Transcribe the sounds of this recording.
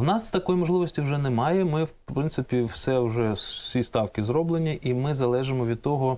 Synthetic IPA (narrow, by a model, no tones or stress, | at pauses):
wnɑst̪ɐkɔjimɔʒlˠɪʋɔsʲtʲiwʒɛnɛmɑjɛmɪwpɾɪnt̪sɪpʲiwsɛwʒɛsʲist̪ɑwkʲɪzɾɔblˠenʲiʔimɪzɐlˠɛʒemɔʋʲid̪̚t̪ɔɦɔ